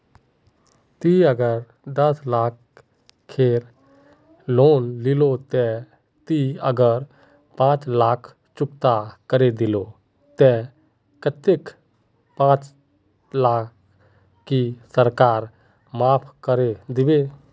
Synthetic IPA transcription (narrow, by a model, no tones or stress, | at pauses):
t̪iəɡəɾ | d̪əslaːkʰː | eːɾ | loːnlɪlot̪ɛ | t̪iəɡəɾ | pãːt͡ʃlaːkʰ | t͡ʃʊkt̪akəɾed̪ɪlo | t̪ɛ | kət̪ɪk | pãːt͡ʃ | laːkː | isəɾkaːɾ | maːpʰkəɾed̪ɪbeː